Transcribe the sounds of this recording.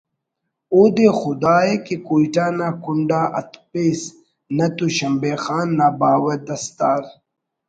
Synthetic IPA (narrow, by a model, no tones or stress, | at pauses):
oːd̪exʊd̪aːekekuːiʈaːnaːkuɳɖaːʔɐt̪pes | nɐt̪uɕɐmbeːxaːnːabaːwɐɾd̪ɐst̪aːɾ